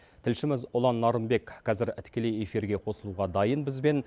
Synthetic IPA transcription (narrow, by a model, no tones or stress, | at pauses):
t̪ʰɪlʃɪmɪzʊlˠɑnːɑɾəmbe̞kqʰɑzɪɾɪt̪kʲʰe̞le̞je̞fiɾɡʲe̞qʰo̞səlˠuʁɑd̪ɑjənbɪzbe̞n